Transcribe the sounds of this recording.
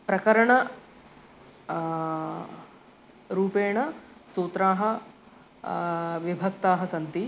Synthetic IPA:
pɾɐkɐɾɐɳɐ | ɾuːpeːɳɐsuːt̪ɾaːɦɐ | ʋibʱɐk̚t̪aːɦɐsɐnt̪i

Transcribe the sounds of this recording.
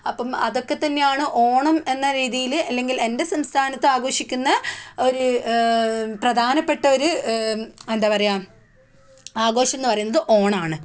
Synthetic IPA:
ɐpːɐmɐðo̞kːe̞t̪ːɐnːe̞jaːɳɨʔo̞ːɳɐme̞nːɐɾiːðijilɐlːe̞ŋɡile̞ndesɐmst̪ʰaːnɐt̪ːɨaːɡo̞ːʂikʲːunːɐo̞ɾu | prɐd̪ʱaːnɐpːe̞ʈːɐo̞ɾu | end̪aːpɐrɐjaːm | aːɡo̞ːɕɐmenːɨpɐrɐjunːɐðɨʔo̞ːɳɐaːɳɨ

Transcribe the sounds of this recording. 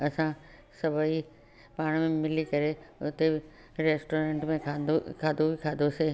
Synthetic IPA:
ɐsã | sɐbʱai | paːɽ̃mẽmɪlikɐɾeʊt̪eɪ | ɾeːsʈoːɾẽːɳʈmẽaokʰaːd̪oikʰaːd̪ose

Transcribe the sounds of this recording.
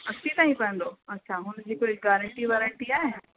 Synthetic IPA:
ɐsʰit̪aːɦĩpɐə̃n̆d̪oɐtːɕʰaɦʊnd͡ʑiːkʊlɡaːɾə̃ɳʈiʋɛːɾə̃ɳʈiaːɦe

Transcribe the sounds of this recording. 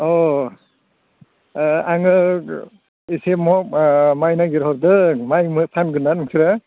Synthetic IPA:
ɔ | aŋɯ | isemɔmajnaɡiɾɦɔɾdɯmajmɯpʰanɡɯnːanɯŋkʰiɾa

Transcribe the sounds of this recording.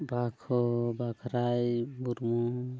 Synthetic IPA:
bakʰɔbakʰɾajmuɾmu

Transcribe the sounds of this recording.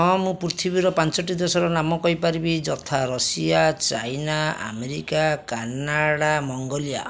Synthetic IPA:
ɔ̃mũpɾut̪ʰibiɾɔpant͡ʃɔʈːid̪ɔsɔɾɔnamɔkɔɦipaɾibid͡ʒɔt̪ʰaɾɔsijat͡ʃajnaa̰meɾikakanaɽamɔŋɡɔlija̰

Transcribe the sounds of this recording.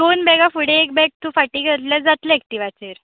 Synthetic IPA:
d̪onbɛɡãfuɽeek̚bɛk̚t̪ũfaʈiːɡʱəɾt̪lad͡zat̪lek̚t̪iːʋat͡seɾ

